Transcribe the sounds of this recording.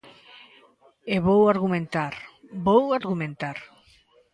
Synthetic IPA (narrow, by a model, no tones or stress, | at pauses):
eβowaɾɣumẽnt̪aɾbowaɾɣumẽnt̪aɾ